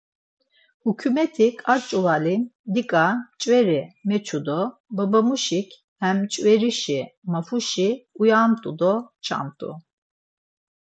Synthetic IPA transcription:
hukʰumɛt̪ʰikʰʼat͡ʃʼuvalimd̪ikʼat͡ʃʼwɛɾimɛt͡ʃʰud̪ɔbabamuʃikʰ | hɛmt͡ʃʼvɛɾiʃimafuʃiujamt̪ʼud̪ɔt͡ʃʰa̰mt̪ʼṵ

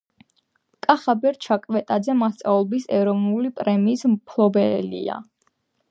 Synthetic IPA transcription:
kʼaχabɛɾt͡ʃʰakʼvɛt̪ʼad̪zɛmast̪sʼaulˠbisɛɾɔvnulipʼɾɛmiːsmpʰlˠɔbɛlḭa̰

